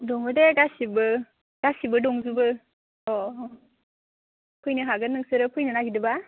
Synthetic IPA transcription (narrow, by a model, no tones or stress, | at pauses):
dɔŋɯdeɡasibɯ | ɡ̥asibɯdɔŋzubɯ | ɔ | pʰɯjnɯɦaɡɯnɯŋsɯɾɯpʰɯjnɯnaɡidɯba